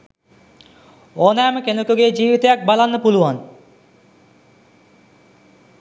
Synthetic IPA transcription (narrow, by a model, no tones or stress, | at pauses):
onɛmkenokoɡed͡ʑibit̪eak̚balanːpuluan